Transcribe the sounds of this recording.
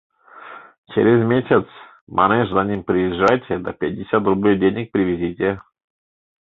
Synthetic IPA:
t͡ʃḛɾʲɪzmʲesʲɪt̪s | mʔa̰nɛʂzanʲimpɾʲɪjɪʐːajtʲɪd̪ɐpʲɪt̚ʲdʲɪsʲat̪̚d̪ɾʊblʲojdʲenʲɪk̚pɾʲɪvʲɪzʲitʲɪ

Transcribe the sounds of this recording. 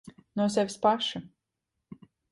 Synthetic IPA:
nuɔs̬ɛvʲspaʃu

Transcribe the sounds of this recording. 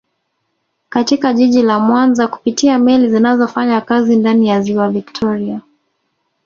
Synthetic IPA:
katikaʄiʄilamwanzaku̥pitiamɛlizinazɔfaɲakazindanijaziwaviktʰɔɾia

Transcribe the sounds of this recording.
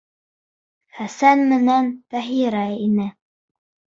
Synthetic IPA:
χæsænmɘ̆nænt̪æɦiɾæinɘ

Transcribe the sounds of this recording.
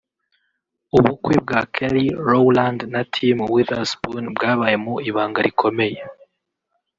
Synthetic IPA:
uβukweb̚ɡakʰeɾiɾowlandnatʰimwiðasbunbɡaːβaje̞muiβaːŋɡaɾikʰo̞me̞je

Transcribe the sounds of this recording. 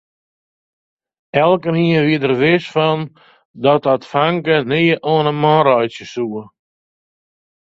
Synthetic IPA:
ɛlˠkəniənʋiədərʋɪsfɔn | dɔtɔtfaŋkəniəʔɔnəmɔɾɔjsjəsuə

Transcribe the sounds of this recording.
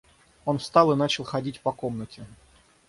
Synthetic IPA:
o̞nfst̪ɑlˠɨnat͡ɕɪlˠxɐdʲitʲpɐkomnətʲɪ

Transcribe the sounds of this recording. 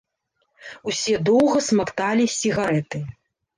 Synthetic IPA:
usʲɛd̪ɔwɣɐsmakt̪alʲisʲiɣaɾɛt̪ɨ

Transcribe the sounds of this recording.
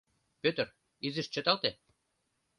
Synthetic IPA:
pøt̪ə̆r | izĭʃt͡ɕə̆t̪ɑlt̪e

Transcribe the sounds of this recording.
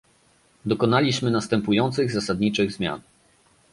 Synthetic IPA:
d̪ɔkɔnalʲiɕmɘnast̪ɛmpujɔnt̪sɘɣzasad̪ɲit͡ʂɘɣzmʲja̰n

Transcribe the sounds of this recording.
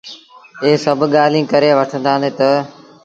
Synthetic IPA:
eːsəbʱɠaːlĩːkəɾeːʋəʈʰə̃nd̪ʱaːneːt̪ə

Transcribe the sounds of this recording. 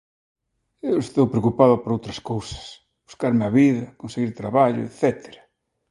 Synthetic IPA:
ewest̪owpɾeokupaðʊpoɾowt̪ɾɐskowsɐ̥s | b̥u̥skaɾmeaβiðɐkonseɣiɾt̪ɾaβaʎʊ̰ḛθɛt̪e̥ɾɐ̥

